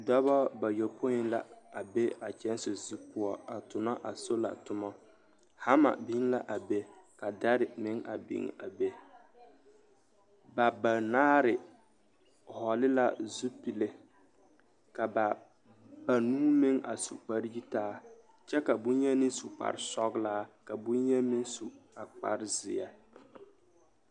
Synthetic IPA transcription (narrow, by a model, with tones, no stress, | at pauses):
dɔ˦bɔ˦ba˨jɛ˨lpʰo˦ɲɪ˦la˨a˨be˦a˨t͡ʃɛ˦n˦sʊ˨zi˦pʊ˦ɔ˦a˨tʊ˨na˦ʔa˨so˦la̰˨tʊ˦mɔ˦ | ha˦ma̰˨bi˦ŋ˦la˦ʔa˨be˦ | ka˨da˦ɾɪ˨mɪ˦ŋa̰˨bɪ̰˨ŋ̰˨a˨be˦ | ba˨ba˨naː˦ɾɪ˨ | hɔ˨lɪ˦la˦zu˦pi˨le˦ | ka˨ba˨ | ba˨nuː˦mɪ˦ŋʔa˨sṵ˨k͡pa˦ɾji˦taː˦ | t͡ʃɛ˦ka˨bʊ˦n˦ɲɛ˦nɪ˦n˦su˨k͡pa̰˨ɾɪ˦sɔ˦ɡlaː˦ka˨bʊ˦nɲɛ˦mɪ˦nsu˨a˨k͡pa̰˨ɾɪ˦zɪ˨ja˨